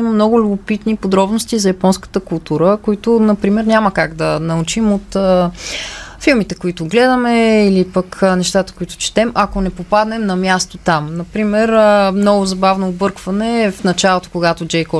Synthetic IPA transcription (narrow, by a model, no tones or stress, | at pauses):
imɐmnɔɡʊlʲʊbopit̪nipod̪ɾɔbnost̪izɐjɐpɔnskə̥t̪əkʊlˠt̪uɾəkoit̪ʊnɐpɾimɛɾnʲaməkaɡd̪ɐnɐut͡ʃimot̪ə | filˠmit̪ɛkoit̪ʊɡlɛd̪əmɛilipəknɛʃt̪at̪ə̥koit̪ʊ̥t͡ʃɛ̥t̪ɛmʔɐkonɛpopad̪nɛmnɐmʲjast̪ot̪amnɐpɾimɛɾəmnɔɡʊzɐbavnoːbɤɾkvɐnɛfnɐt͡ʃalˠot̪o̥koɡat̪od͡ʒɛjkɔ